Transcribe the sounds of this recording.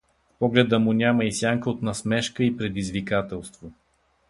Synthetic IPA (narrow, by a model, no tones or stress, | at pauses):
pɔɡlɛd̪əmʊnʲaməisʲjaŋkəot̪nɐsmɛʃkəipɾɛd̪izvikat̪ɛlˠst̪vo